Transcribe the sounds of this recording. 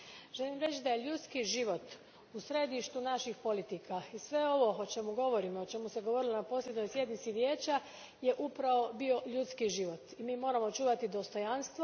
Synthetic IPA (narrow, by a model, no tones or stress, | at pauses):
ʒ̥e̞limɾe̞t͡ɕd̪aje̞ʎut̪skiʒiʋo̞t̪ | usɾe̞d̪iʃt̪unaʃixpo̞lit̪ikʰaisʋe̞o̞ʋo̞ot͡ʃe̞muɡo̞ʋo̞ɾimoot͡ʃe̞museɡoʋo̞ɾilonapo̞slje̞d̪no̞jsje̞d̪nit̪siʋje̞ːt͡ɕa | je̞ʔupɾaʋo̞bio̞ʎut̪skiʒiʋo̞t̪imiːmo̞ːɾamot͡ʃuːʋat̪id̪o̞st̪o̞janst̪ʋo